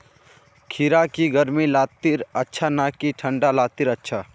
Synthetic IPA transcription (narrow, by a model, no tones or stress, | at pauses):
kʰiɾakiɡəɾmilaːt̪iɾətːʃʰanakiʈʰə̃ɳɖalaːt̪iɾətːʃʰa